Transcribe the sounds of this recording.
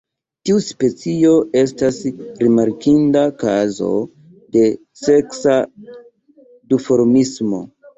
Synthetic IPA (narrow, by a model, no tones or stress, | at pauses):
tiuspe̞t͡sio̞e̞s̬tasɾimaɾkindakazo̞̰ | de̞ | se̞ksa | dufo̞ɾmismo̞̰